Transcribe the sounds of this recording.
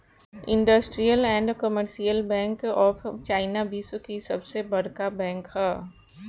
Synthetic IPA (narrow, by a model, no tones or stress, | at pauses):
ɪ̃ɳɖəsʈɾijəlɛ̃ːɳɖkəməɾʃijəlbɛ̃ːŋkɔːft͡ʃaːɪnabiːskisɐbsebɐɾkabɛ̃ːŋkhɛː